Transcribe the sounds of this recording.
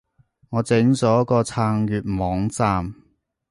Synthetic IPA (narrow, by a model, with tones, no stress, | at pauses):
ŋɔː˨˧t͡sɪ˨˥ŋt͡sɔː˨˥jɐ˥kɔː˧t͡sʰaː˧ŋjyː˨t̚mɔː˨˥ŋt͡saː˧m